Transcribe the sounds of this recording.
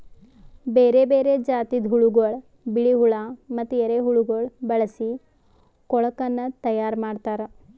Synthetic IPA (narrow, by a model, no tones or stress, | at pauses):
beːɾebeːɾed͡ʒaːt̪id̪ʱɦuɭuɡoɭ | biɭiɦuɭamɐt̪ːueɾeɦuɭuɡoɭbɐɭɐsi | kɔɭɐkɐnːɐt̪ɐjaːɾmaːɖt̪aːɾɐ